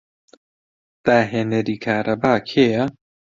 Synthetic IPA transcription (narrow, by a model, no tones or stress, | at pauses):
d̪̥aːɦeːnɐɾiːkʰaːɾʔɐbaːkʰeːjɐ